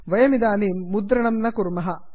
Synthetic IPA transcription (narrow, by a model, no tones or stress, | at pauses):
ʋɐjɐmid̪aːniːmːud̪ɾɐɳɐmnɐkuɾmɐɦɐ